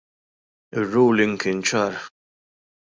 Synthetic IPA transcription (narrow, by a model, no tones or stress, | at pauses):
ɪrːuːlɪŋɡkɪːnt͡ʃɐːɾ